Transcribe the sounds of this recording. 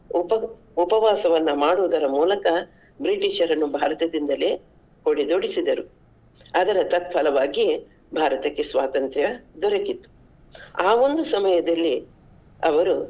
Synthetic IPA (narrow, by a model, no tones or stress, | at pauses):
upɐ | upɐʋaːsɐʋɐnːɐmaːɽuːd̪ɐɾɐmuːlɐkɐ | bɾiʈiːʃɐɾɐnːubʱaːɾɐt̪ɐd̪ind̪ɐleː | hoɽid̪oɽisid̪ɐɾu | ɐd̪ɐɾɐt̪ɐt̪̚pʰɐlɐʋaːɡi | bʱaːɾɐt̪ɐkːesʋaːt̪ɐnt̪ɾjɐd̪ɔɾɐkːit̪ːu̥ | aːo̞nd̪usɐmɐjɐd̪ɐlːi | ɐ̰ʋɐɾu